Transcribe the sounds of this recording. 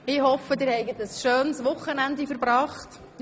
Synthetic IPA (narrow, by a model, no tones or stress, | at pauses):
ɪhɔfədɪːɾhɛɪɡətəsʃøːnsʋʊχːənændifəɾbɾɑːχt